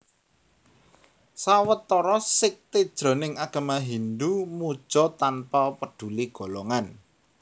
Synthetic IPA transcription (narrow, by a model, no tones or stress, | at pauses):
sawət̪ːɔɾɔsɪk̚t̪ed̥ʒ̥ɾɔ̤nɪŋaɡ̥a̤maɦind̪umu̥ʒ̥ɔt̪anpapəɖ̥ṳliɡ̥ɔ̤lɔŋan